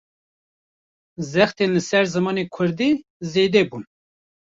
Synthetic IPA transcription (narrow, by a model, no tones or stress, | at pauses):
zɛxt̪eːnlɨsɛɾzɨmɑːneːkʷʰʊɾd̪iː | zeːd̪ɛbun